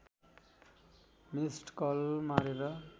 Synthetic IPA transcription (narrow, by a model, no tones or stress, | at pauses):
misʈkʌlmaɾeɾʌ